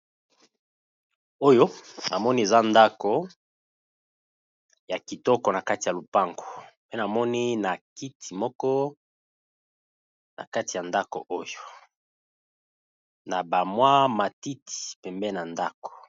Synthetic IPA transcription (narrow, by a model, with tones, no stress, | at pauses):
o˦jo˦na˨mɔ˦ni˦e˨za˦nda˦ko˨ | ja˨ki˨tɔ˦kɔ˨na˨ka˦ti˨ja˨lu˨pa˦ŋɡo˨pe˦na˨mɔ˦ni˦na˨ki˦tʰi˨mɔ˦kɔ˦ | nʔa̰˨ka˦ti˨a˨nda˦ko̰˨ʔo˦jo˨ | na˨ba˨mwa˦ma˨ti˦ti̥˨pɛ˨mbɛ˦na˨nda˦ko̥˨